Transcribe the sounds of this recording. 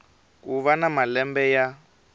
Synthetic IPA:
k̬uβanamalɛmbɛja

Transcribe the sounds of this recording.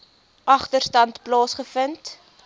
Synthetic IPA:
ʔɐχtərstɐntplɑːsχəfənt

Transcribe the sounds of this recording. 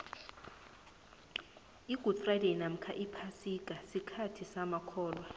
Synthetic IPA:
iɡ̥ʱud̥frajdenam̩kʰaʔipʰasikʼasikʰatʰisamakʰɔːlwa

